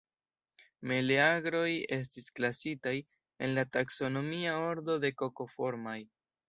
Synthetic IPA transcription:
me̞le̞aɡɾo̞je̞s̬tisklasitaj | e̞̰nlatakso̞no̞miao̞ɾdo̞de̞ko̞ko̞fo̞ɾmaj

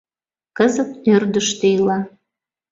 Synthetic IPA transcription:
kəzət̪ørd̪əʃt̪ejlɑ

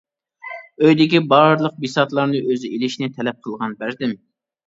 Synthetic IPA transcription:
øjd̪ɪkʲibɑɾlˠəq̚bisɑt̪lˠɑɾnɨʔøzɪelɪʃnɪt̪ʰɛlɛp̚qʰəlˠʁɑnbæɾd̪ɪm

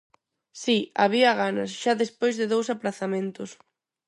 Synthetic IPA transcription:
sia̰β̞iɐɣanɐsʃaðespojzðɪðowsaplaθamẽnt̪ʊs

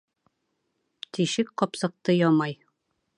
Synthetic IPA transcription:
t̪iʃɘkqɒpsɤ̆q̚t̪ɤjɒmɑj

